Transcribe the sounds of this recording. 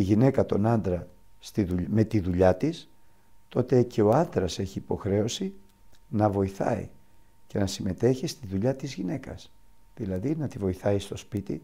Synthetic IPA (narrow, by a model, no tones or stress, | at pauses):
iʝine̞kɐt̪o̞nɐnd̪ɾɐ | st̪iðuʎme̞t̪iðuʎɐt̪is | t̪o̞t̪e̞ce̞o̞ɐnd̪ɾɐse̞çiːpo̞xɾe̞o̞si | nɐvo̞iθɐ̰ḭ | ce̞nɐsime̞t̪e̞çist̪iðuʎɐt̪izʝine̞kɐ̰s | ðilɐðinɐt̪ivo̞iθɐist̪o̞spit̪ḭ